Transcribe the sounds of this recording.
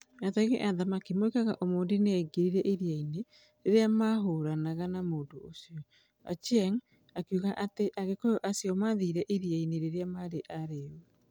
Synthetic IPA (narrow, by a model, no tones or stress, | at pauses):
jataɣeʔaðamakimoekaɣaʔomoːndineɛɡeɾiɾɛʔiɾiaine | ɾeɾeamaɦoɾanaɣanamoːndoosjɔ | a̰t͡ʃɛŋ | akjuɣaʔateʔaɣekojoʔasiɔmaðiːɾɛʔiɾjaineɾeɾeamaɾeʔaɾeo